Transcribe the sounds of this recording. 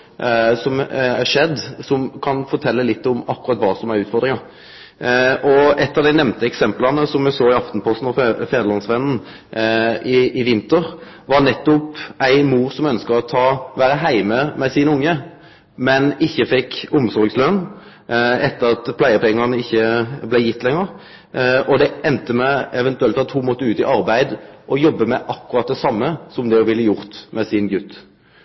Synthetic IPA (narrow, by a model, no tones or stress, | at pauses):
sɔmæʂɛd̪ːsɔmkʰɑnfɔɾt̪ʰɛlːəlɪt̪ːɔmɑkːʊɾɑt̪ːʋɑːsɔmæɾʉːt̪fɔɾd̪ɾɪŋɑɾ | ʔɔɛt̪ːɑʋd̪æɪnɛʋnt̪əɛksɛmplɑnəsɔmjɛsoːɪɑft̪npʰɔst̪n̩ɔfɛːɾd̪əlɑnsʋɛnn̩ | ɪɪʋɪnt̪əɾʋɑɾnɛt̪ːʊpæɪmuːɾsɔmœnskəɾɔt̪ʰɑːʋæːɾəɦæɪməmɛsɪnʊŋːə | mɛnɪçːəfɛkːʊmsɔɾɡslœn | ɛt̪ːəɾɑt̪pʰlæɪəpɛŋːɑnəɪçːəblæjɪt̪ːlɛŋːəʁ | ɔd̪ɛɛnt̪əmɛɛʋɛnt̪ʉɛlt̪ɑt̪hʊmɔt̪ːəʉːt̪ɪ̰ʔɑʁbæɪd̪ʔɔjɔbːəmɛʔɑkːʉʁɑt̪̚d̪ɛsɑmːəsɔmd̪ɛɔʋɪlːəjʊʁt̪mɛsɪnɡʉt̪ː